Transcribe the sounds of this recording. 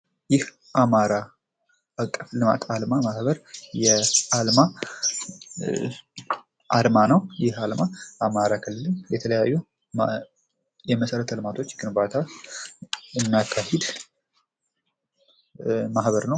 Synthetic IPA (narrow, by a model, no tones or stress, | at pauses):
jɪh | ʔamaɾa | ʔakʼːəflɨma̰t̪ʰalmamahbəɾjɛalma | ʔalmanəwjɪhalmaʔamaɾakʰɨlːɨlɨnjɛt̪ʰələjajːu | jɛməsəɾət̪ʰəlmat̪ʰo̞t͡ʃːɡɨnbat̪ʰa | ɨmːijakʰːahed̪ | mahβəɾnəw